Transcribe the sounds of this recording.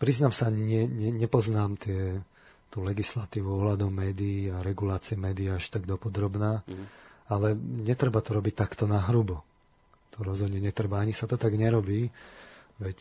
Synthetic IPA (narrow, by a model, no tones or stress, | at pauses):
pɾiznamsaaɲiɲɪɛɲɛɲɛpɔznaːmt̪ɪɛ | t̪uːlɛɡislat̪iːʋuɔɦlad̪ɔʊmɛːd̪iːaɾɛɡulaːt͡siɛmɛːd̪iaaʃt̪aɡd̪ɔpɔd̪ɾɔbnaː | alɛɲɛt̪ɾɛbat̪ɔɾɔbic̚t̪akt̪ɔnaɦɾubɔ | t̪ɔɾɔzɦɔd̪ɲɛɲɛt̪ɾɛbaaɲisat̪ɔt̪aɡɲɛɾɔbiː | ʋɛc